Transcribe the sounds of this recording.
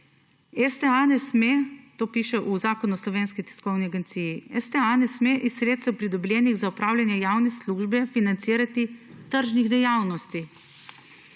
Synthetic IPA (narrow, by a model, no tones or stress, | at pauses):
ɛst̪ɛanɛsmet̪oːpiːʃɛʔuzaːkɔnɔslɔʋeːnskit̪i̥skɔwniaɡɛnt̪siːjiɛst̪ɛanɛsmeʔisːɾet̪st̪ɛwpɾid̪ɔblʲɛːniɣzaupɾaːwlʲjanjɛjawnɛsluːʒbɛfinant̪siːɾat̪it̪əɾʒniɣd̪ɛjawnɔst̪i